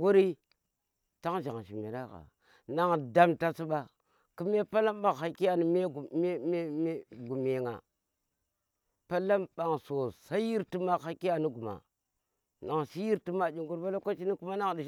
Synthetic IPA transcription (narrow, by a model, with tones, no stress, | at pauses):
ɡu˦ɾi˦ | ta˦ŋʒa˨ŋ˨ʃi˨mḭ˨ɾa˦ka̰˨ | na˨ŋda˦mta˦su˦ɓa˨ | ki˦me˦pa˦la˦mɓa˨kha˨ki˦ja˨ni˦me˦˨˦m˦me˦ɡu˨me˨ŋa̰˨ | pa˦la˦mɓa˨ŋso˨sa˦ji˦ɾti˦ma˨ha˦ki˦ja˨ni˦ɡu˨ma̰˨ | na˨ŋsi˦ji˦ɾti˦ma˨d͡ʒi˨ŋɡu˦ɾba˦la˦ka˦t͡ʃi˦ni˦ku˦ma˦na˦ŋdi˨